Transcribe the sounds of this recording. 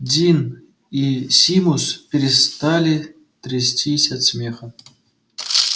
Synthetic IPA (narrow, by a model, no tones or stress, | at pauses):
dʲin | isʲimuspʲeɾʲɪst̪alʲi | t̪rʲesʲtʲisʲasʲmʲexə̆